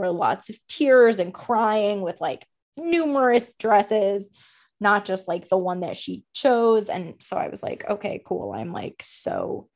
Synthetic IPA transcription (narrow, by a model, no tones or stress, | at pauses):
ə˞lɔ̰tsʌv̥tʰɪɹzɨ̃nkʰɹ̥aɪɪ̃ŋwɪð̥laɪk | nʉmə˞ɨsd̥ɹɛsɪz | nət̚d̥ʒ̥ʌst̚ˡlaɪk̚ðəwʌ̃nðɨ̰tʃit͡ʃʰoʊzɨ̰̃nsoʊa̰ɪwʌ̰z̥la̰ɪkʰo̰ʊkʰeɪkʰṵlˠã̰ɪ̃mla̰ɪkso̰ʊ